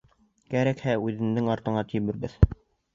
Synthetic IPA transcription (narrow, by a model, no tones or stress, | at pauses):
kæɾækhæʉðɘ̆nd̪ɘŋɑɾt̪ɤ̆ɴɑt̪ĭβɘ̆ɾbɘð